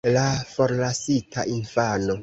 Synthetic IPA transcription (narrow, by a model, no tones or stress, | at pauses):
lafoɾlasitʰaʔinfano